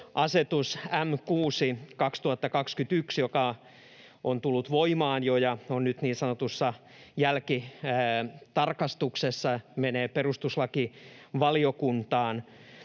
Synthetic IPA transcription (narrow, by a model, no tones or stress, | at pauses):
ʔɑset̪usæmkuːsikɑkst̪uhɑt̪ːɑkɑkskynt̪yksjokɑ | ʔont̪ulːut̪ʋoimɑːnjojɑonnyt̪niːnsɑnot̪usːɑ | jælkiː | t̪ɑrkɑst̪uksesːɑmeneːperust̪uslɑkiʋɑliokunt̪ɑːn